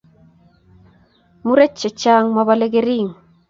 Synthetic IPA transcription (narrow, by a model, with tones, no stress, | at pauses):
mu˦ɾɛ˦t͡ʃːe˨t͡ʃa˦ŋmɔ˨βa˦le˦ɡe˦ɾi˦˨ŋ